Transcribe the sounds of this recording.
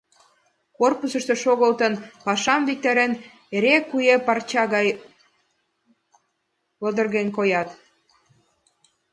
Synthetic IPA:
korpusə̆ʃt̪e̽ʃoɣəlt̪ənpɑʃɑmβik̚t̪eɾen | eɾekujepɑrt͡ɕɑɣɑj | βəd̪ərɣenkojɑt̪

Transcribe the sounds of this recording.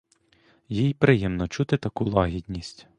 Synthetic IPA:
jijpɾɪjɛmnɔt͡ʃut̪ɪt̪ɐkulˠɑɦʲidʲnʲisʲtʲ

